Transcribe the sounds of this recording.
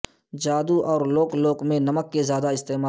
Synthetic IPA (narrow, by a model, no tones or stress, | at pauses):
d͡ʒaːd̪uʔɔːɾloːkloːkmẽnɐməkːezjaːd̪aɪst̪eːmaː